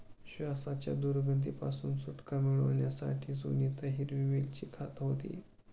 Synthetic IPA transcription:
ɕʋasat͡ɕja̰d̪uɾɡənt̪̬ipasuːnsuʈkamiɭəʋɳjasa̰ʈʰiːd͡zṵniːt̪əɦiɾʋimilt͡ɕiːkʰat̪ɦot̪ḭː

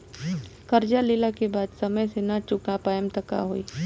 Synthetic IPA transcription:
kəɾd͡ʒalɪlakebaːd̪sɐməjsenat͡ʃʊkapaːjəmt̪ɐka̰ɦoːiː

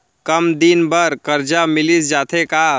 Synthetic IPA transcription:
kəmd̪inbəɾkəɾd͡ʒamɪlisd͡ʒaːt̪ʰeka

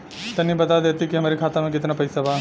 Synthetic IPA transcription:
t̪ɐnĩbɐt̪ad̪eːt̪ikiɦɐmaːɾikʰaːt̪amẽkɪt̪napɐɪsabaː

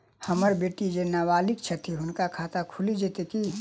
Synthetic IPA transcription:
həməɾbeːʈid͡ʒenaʋaːlikt͡ʃʰət̪ʰiɦʊnkakʰat̪akʰulid͡ʒet̪eki

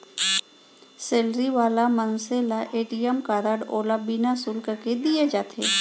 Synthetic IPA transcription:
seːlɾiʋaːlamənselaʔeːʈijəmkaːɾaːɖoːlabinasulkəɾked̪ijed͡ʒaːt̪ʰeː

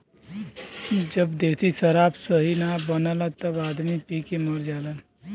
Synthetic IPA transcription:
d͡ʒəbd̪eːt̪ʰisəɾaːbsəɦinabənəlat̪əbaːd̪mipiːkeməɽd͡ʒaːlən

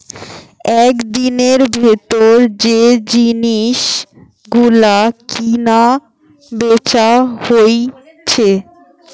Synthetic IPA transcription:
ɛkd̪ineɾbʱet̪oɾd͡ʑed͡ʑiniʃ | ɡulakina | bet͡ɕahoj | t͡ɕʰe

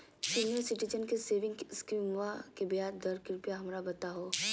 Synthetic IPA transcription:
sinjəsɪʈid͡ʒənkeseːʋɪ̃ŋɡskɾimʋakebijaːɾd̪ɐɾkɪɾʊpijaɦɐmɾabɐt̪aɦoː

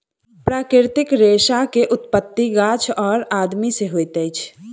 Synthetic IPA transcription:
pɾaːkɾɪɾt̪ɪkɾeːʃakeʔʊt̪̚pət̪ːiɡaːt͡ʃʰɔːɾaːd̪miseɦoːjt̪əɪt͡ʃʰ

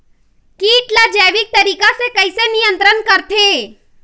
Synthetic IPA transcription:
kiːʈlad͡ʒɛʋik̚t̪əɾiːkasekəjsenijənt̪ɾənkəɾt̪ʰe

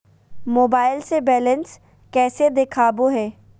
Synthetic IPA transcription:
moːbaːɪlsebɛːləns | kɛːsed̪ekʰaːboɦɛː

